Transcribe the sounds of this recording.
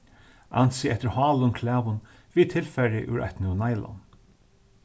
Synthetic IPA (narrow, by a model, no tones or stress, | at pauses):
a̰nsɪɛt̪ɪɾhɑːlʊnkʰlæːʋʊn | viːt̪ʰɪlfɛɾɪʔʉ̰ɹʔa̰ht̪nɪʊnajlɔ̰n